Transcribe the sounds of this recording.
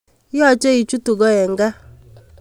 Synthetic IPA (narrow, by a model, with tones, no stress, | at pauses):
jɔ˦˨t͡ʃɛ˦i˨t͡ʃu˦tu˨ɡɔ˦ɛ˨ŋ˦ɡa˦